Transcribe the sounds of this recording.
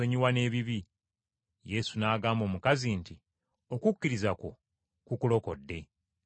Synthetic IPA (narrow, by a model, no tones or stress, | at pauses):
oɲiwane̞ːβiβi | je̞sunaːɡaːmbo̞ːmukazinti | o̞kukːiɾizako̞ | kukulo̞ko̞dːe̞